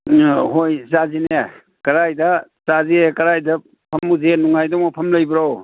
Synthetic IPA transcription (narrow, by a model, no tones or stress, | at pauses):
ɦojzazin | kɐɾajdɐ | zaziekɐɾajdɐ | pʰɐmuzenuŋajdɔŋmɔpʰɐmlɐjbɾaw